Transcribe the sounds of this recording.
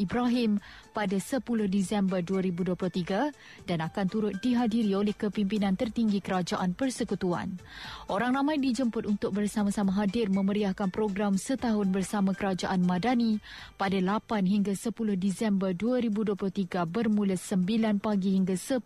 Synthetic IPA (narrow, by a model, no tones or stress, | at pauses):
ibɾaɦɪmpadasəpulʊhdisɛmbərduaɾibuduəplʊt̪iɡa | danakant̪uɾʊt̪̚diɦadiɾiolɛhkəpimpinãnt̪ərt̪iŋɡikəɾad͡ʒaʔanpərsəkut̪ua̰nʔoɾaŋnãmãjdid͡ʒəmpʊt̪unt̪ʊk̚bərsamãsamãɦadɪrmə̃məɾiahkanpɾoɡɾamsət̪aɦʊnbərsamãkəɾad͡ʒaʔanmãdanĩpadalapanɦiŋɡasəpulʊhdisɛmbərduaɾibuduəplʊt̪iɡabərmũlasəmbilanpaɡihiŋɡasə